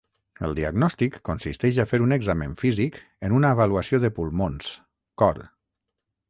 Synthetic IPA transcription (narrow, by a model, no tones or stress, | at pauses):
ə̰lˠd̪iaɡnɔst̪ikːunsist̪ɛʃafeɾunəɡzameɱfizik | ənunaːβaluəsioðəpulˠmons | kɔɾ